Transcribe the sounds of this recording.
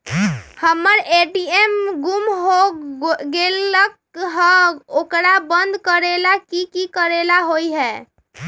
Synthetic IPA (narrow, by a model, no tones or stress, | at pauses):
həmːəɾeʈiemɡumɦoɡelək̚ | ɦə̃okɾabənd̪ʱkəɾelakikikəɾelaɦojɦɛ